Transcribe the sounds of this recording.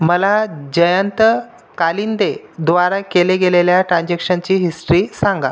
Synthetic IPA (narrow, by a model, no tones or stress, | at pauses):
məlad͡ʑəjənt̪ə | kalind̪ed̪ʋaɾakeleɡeleljaʈɾãnd͡ʑekʂənt͡ɕiːɦisʈɾiːsaŋɡa